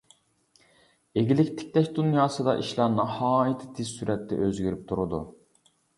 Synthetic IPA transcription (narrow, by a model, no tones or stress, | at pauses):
eɡʲilɪkʲt̪ʰɪ̥kʲlɛʃd̪unjɑːsɨd̪ɑ̰ʔiʃlˠɑnɑhɑːit̪ʰɪ̥t̪ʰɪzsyɾɛt̪ːɛ̰ʔøzɡʲyɾyp̚t̪ʰuɾud̪ṵ